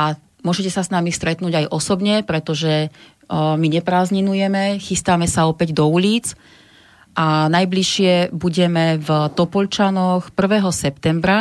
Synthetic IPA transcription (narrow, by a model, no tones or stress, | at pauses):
a | mʊɔʒɛcɛsasnamist̪ɾɛt̪nuːɟajʔɔsɔbɲɛpɾɛt̪ɔʒɛ | miɲɛpɾaːzɲinujɛmɛxist̪amɛsaɔpɛɟd̪ɔuliːt͡s | ʔanajbliʃɪɛbuɟɛmɛvt̪ɔpɔʎt͡ʃanɔxpr̩ʋɛːɦɔsɛpt̪ɛmbɾa